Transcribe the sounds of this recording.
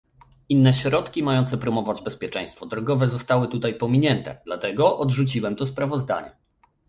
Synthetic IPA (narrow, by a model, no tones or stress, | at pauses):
inːɛɕɾɔt̪kʲimajɔnt̪sɛpɾɔmɔvad͡ʑbɛspʲjɛt͡ʂɛ̰̃j̃st̪fɔd̪ɾɔɡɔvɛzɔst̪awɘt̪ut̪ajpɔmʲiɲɛnt̪ɛ̰d̪lat̪ɛɡɔʔɔd̪ʐut͡ɕiwɛmt̪ɔspɾavɔzd̪a̰ɲɛ̰